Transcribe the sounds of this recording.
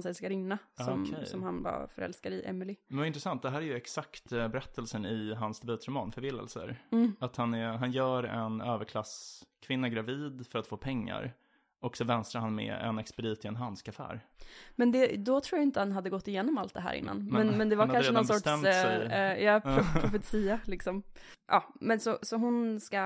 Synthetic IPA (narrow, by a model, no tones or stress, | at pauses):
nsɛskaɾɪnːasɔmʰsɔmhanva̰ɾfœɾɛ̰lskaɾɪʔɛ̰mɪlɪmɛnvaɾɪnt̪ɾɛsant̪̚d̪ɛɦæːɾæjɵɛksakt̪bɛɾɛt̪ʰːəlsənɪɦansd̪ɛbʉ̟ːt̪ɾʊmɑ̰ːnfœɾvɪlːə̰lsə̰ɾːat̪hanɛɦanjœːɾɛnøːvəɾkʰlaskʰvɪnːaɡɾaviːd̪fœɾat̪foːpʰɛŋːa̰ɾ | ʔɔksɔvɛnst̪ɾaɾhanmɛ̰ɛ̰nɛkspɛd̪iːt̪ɪɛnɦanskafæ̰ːɾmɛnd̪ɛd̪ɔt̪ʰɾuːjajɪnt̪əhanɦad̪ːəɡɔt̪ːɪjeːnɔmalt̪̚d̪ɛɦæ̰ːɾʔɪ̰nːa̰nmɛnmɛnd̪ɛvaɾʰanʂənɔsɔɛ | jɑːɾʊɾʊfɛt̪siːalɪksɔm | ʔɑːmɛnsɔsɔɦʊnska